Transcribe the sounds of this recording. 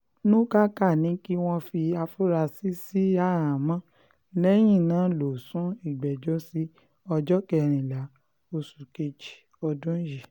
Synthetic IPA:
nõ˦ka˦ka˦˨nĩ˨˦ki˦w̃ɔ̃˧fi˧a˧fu˦ɾa˧si˦si˦a˦˨ɾã˨mã˦ | lɛ˦j̃ĩ˦˨nãː˨˦lo˨sũ˨˦i˦˨ɡ͡bɛ˨d͡ʒo˦si˦ | ɔ˧d͡ʒɔ˦kɛ˦˧˨ɾ̃ĩ˨la˨˦ | o˧su˨ke˧d͡ʒi̥˨ | ɔ˧dũ˦ji˨

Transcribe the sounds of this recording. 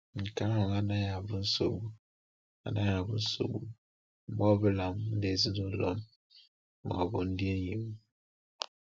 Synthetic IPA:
ŋ̩˨ka˦ŋɔ˨ŋa˦na˦ja˨bu˦n̩˦so˨bu˨ | a̰˨na˦ja˨bṵ˦n̩˦so̰˨bu˨˦ | mɔ˦bə˦la˨mn̩˦de˨zi˦no˨lɔ˦m˦ | ma̰˨bo˨n̩˦dje˦n˦ji˨m˦

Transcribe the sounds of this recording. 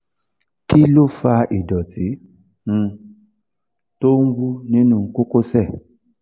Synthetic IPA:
ki˦lo˦fa˧ʔi˨dɔ˨ti˨˦ | ŋ̩̃˧ | to˦ŋ̩˦ɡʷu˦nĩ˦nũ˧˦ko˦ko˦sɛ˦˨

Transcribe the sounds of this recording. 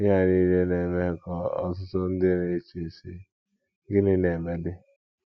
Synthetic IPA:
ɪ˦ɦa˦ni˦le˦ne˨me˦˨kɔ˨ɔ̰˨tʊ˦tʊ˦n̩˦dɪ˦ɾe˦t͡ʃi˨si˦ | ɡɪ˦nɪ˦ne˨me˦dɪ˦

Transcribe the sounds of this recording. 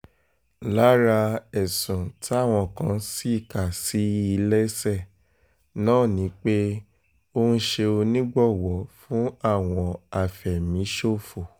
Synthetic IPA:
la˦ɾa˧ɛ˨sũ˨ti˦a˦˨w̃ɔ̃˧˨kã˧˦si˦i˦˨ka˨si˨˦i˧lɛ˦sɛ˦˨ | nãː˦˨nĩ˨˦k͡pe˦ | o˧nũ˦ʃe˧o˧nĩ˦ɡ͡bɔ˦˨wɔ˨˦fũ˦a˦˨w̃ɔ̃˧a˧˨fɛ˨mĩ˨˦ʃo˦˨fo˨

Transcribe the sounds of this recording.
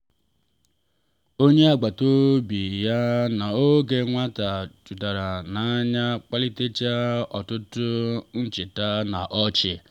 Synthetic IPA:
o˦ɲe˦a˨ɡ͡ba˨to˦bi˨ja˦na˨o˦ɡe˨ŋʷa˦ta˨t͡ʃu˨da˨ɾa˨na˨˦ɲa˦k͡pa˦li˦te˦t͡ʃa˦ɔ˨tʊ˦tʊ˦n̩˦t͡ʃɪ˨ta˦na˨ʔɔ˦t͡ʃɪ˨

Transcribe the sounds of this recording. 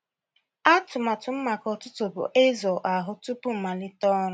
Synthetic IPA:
a˦tʊ˨ma˨tʊ˨m̩˦ma˨kɔ˨tʊ˦tʊ˨bʊ̰˨ʔe˦zɔ˨ʔa˨ɦʊ˦tʊ˦pʊ˦m̩˨ma˨lɪ˦tɔ˦ɾʊ˦

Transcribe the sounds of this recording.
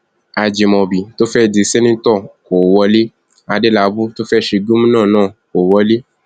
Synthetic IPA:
a˧d͡ʒe˨mɔ̃˧bi˨to˦fɛ˦˨de˨˧˨se˦nĩ˦n̩˦tɔ˦˨ko˨wɔ˧le˦ | a˧de˦la˨˦bu˦to˦fɛ˦˨ʃe˧ɡũ˦mũ˦nãː˦˨nãː˦˨ko˨wɔ˧le˦

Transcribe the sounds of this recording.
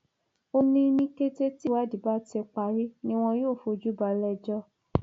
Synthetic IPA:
o˧nĩ˧nĩ˧ke˧te˦ti˦wa˦di˨ba˦tɛ˧k͡pa˨ɾi˦nĩ˦w̃ɔ̃˧joː˦˨fo˧d͡ʒu˦ba˨˧lɛ˧d͡ʒɔ˧

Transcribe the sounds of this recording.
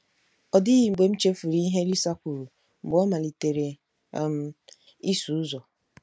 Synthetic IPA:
ɔ˨dɪ˦ɣi˨ŋ͡m̩˨ɡ͡be˨m̩˦t͡ʃe˦fu˨ɾi˦i˦ɦe˦li˦sa˦kʷu˨ɾu˨ | ŋ͡m̩˨ɡ͡bɔ˦ma˨li˨te˨ɾe˨ | m̩˨ | i˦su˨u˦zɔ˨

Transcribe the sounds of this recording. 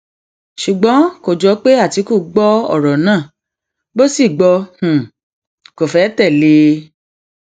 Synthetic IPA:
ʃu˨ɡ͡bɔ̃˨˦ko˨d͡ʒɔ˨˦k͡pe˦a˦˨ti˨˧˦ko˦˨ɡ͡bɔ˦ɔ̰˦˨ɾɔ˨nãː˦˨ | bo˦si˦˨ɡ͡bɔ˧h̩˨ | ko˨fɛ˨˦tɛ˦˨le˧

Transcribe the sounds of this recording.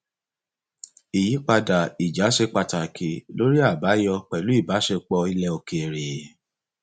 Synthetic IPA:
i˨ji˨˦k͡pa˧da˨i˨d͡ʒa˨˦ʃe˧k͡pa˧ta˨kʰe˨lo˦ɾi˦a˦˨ba˨˦jɔ˧k͡pɛ˨lu˨˦i˦˨ba˨˦ʃe˧k͡pɔ˧i˧lɛ˧o˧ke˧e˨ɾe˨

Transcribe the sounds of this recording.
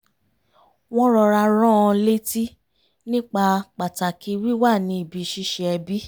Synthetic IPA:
w̃ɔ̃˦ɾɔ˧ɾa˧ɾɔ̃˦ɔ̃˧le˦ti˦ | nĩ˦k͡pa˧k͡pa˨ta˨ki˧ɾi˦wa˦˨nĩ˨˧˦i˦˨bi˨˧ʃi˦ʃɛ˧ɛ˧bi˦

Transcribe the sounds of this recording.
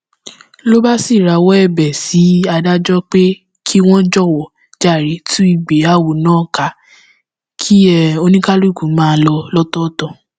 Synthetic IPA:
lo˦ba˦si˦˨ɾa˨˦wɔ˦ɛ˦˨bɛ˨si˨˦a˧da˦d͡ʒɔ˦k͡pe˦ | kʰi˦w̃ɔ̃˦d͡ʒɔ˦˨wɔ˨ | d͡ʒa˦˨ɾe˨˦tʰũ˦i˦˨ɡ͡be˨˦a˦˨wo˨nãː˨˦˨ka˨˦ | kʰi˦ɛ˦˨o˧nĩ˦ka˦lu˦˨ɡũ˨˦mãː˦˧˦lɔ˧lɔ˦tɔ˦tɔ˦˨

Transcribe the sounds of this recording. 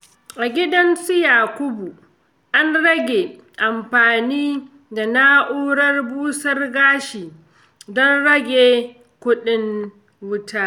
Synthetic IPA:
ʔa˨ɡʲɪ˦dɐ˦nsu˦jaː˨kʷʊ˦bu˨ | ʔa˦nɽɐ˦ɡʲe˨ | ʔa˨mɸaː˨niː˦ | da˨na˦ʔuː˦ɽɐ˦rbuː˦sɐ˦rɡaː˦ʃiː˨ | dɔ˦nɽɐ˦ɡʲeː˨ | kʷʊ˦ɗɪ˦n | wʊ˦taː˦ʔ

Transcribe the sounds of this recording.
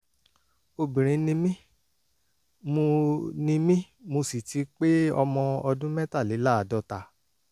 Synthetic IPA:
o˧bĩ˨ɾ̃ĩ˧˦nĩ˧mĩ˦ | mo˧nĩ˧mĩ˦ | mo˧si˨tʰi˨˧˦k͡pe˦ɔ˧mɔ̃˧ɔ˧dũ˦mɛ̃˦ta˦˨li˨˦la˦a˨dɔ˧˦ta˧˨

